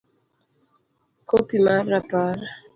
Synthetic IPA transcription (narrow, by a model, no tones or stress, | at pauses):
kopimaɾapaɾa